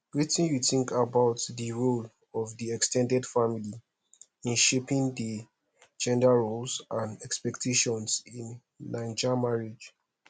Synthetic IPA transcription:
wetĩnjuθĩŋkabaʊtdəɹol | ɔvdiɛkstʰɛ̃ndɛdfamili | ĩnʃepĩŋdi | d͡ʒɛ̃ndaɹolsãnɛkspɛktʰeʃɔ̃nsĩnː | ãɪ̃nd͡ʒamaɹed͡ʒ

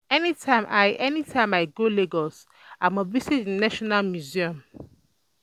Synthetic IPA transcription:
ɛnitʰãɪ̃mʔaɪɛnitʰãɪ̃maɪɡoleɡɔs | ãməvisitĩnaʃɔnalmjuziɔ̃m

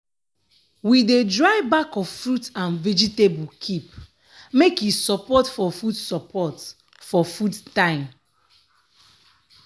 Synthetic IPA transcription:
widedɹaɪbakɔffɹutãnvɛd͡ʒitebukʰip | mekjisɔpɔtfɔfudsɔpʰɔt | fɔfudtãɪ̃m

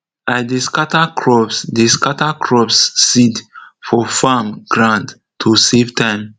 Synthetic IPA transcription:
aɪdeskatakʰɹɔbsdeskatakʰɹɔbsːidfɔfamɡ̥ɹãnd | tʰusevtʰãɪ̃m

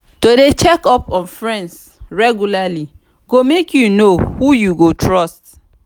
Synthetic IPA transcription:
todet͡ʃɛkɔpɔ̃nfɹɛ̃nds | ɹɛɡjulali | ɡomekʰjunohujuɡotʰɹɔst

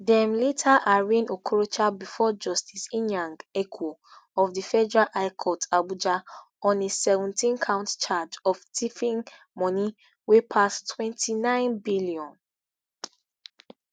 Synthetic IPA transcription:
dɛmlitʰaʔaɹĩnokʰɹot͡ʃabifɔd͡ʒɔstʰisĩnãŋɡekʰɔɔfdifɛd͡ʒɹaʔaɪkʰɔtabud͡ʒa | ɔ̃nesɛvɔ̃ntĩnkʰãʊ̃ntt͡ʃad͡ʒɔftʰifĩŋ | mɔ̃ni | wepʰastʰwɛ̃ntʰinãɪ̃nbiliɔ̃n

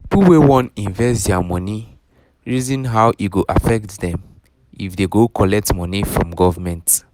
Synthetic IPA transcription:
puwewɔ̃nĩɱvɛstdɛamɔ̃ni | ɹizɔ̃nɦawʔiɡoʔafɛk̚tdɛ̃m | ifdeɡokʰɔlɛk̚tmɔnifɹɔ̰̃mɡɔvamɛ̃nt

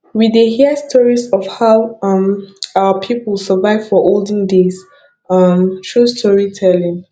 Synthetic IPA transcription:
widehiəstʰɔɹisɔfhaʊʌ̃maəpʰipəsəvaɪv̥fɔʔoldə̃ndes | ʌmʃɹustʰɔɹitʰɛlĩŋ

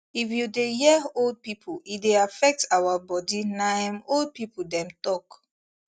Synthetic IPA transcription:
ifjudehiold̚pipʰuideafɛk̚tawabɔdinaãmold̚pipudɛ̃mtɔk

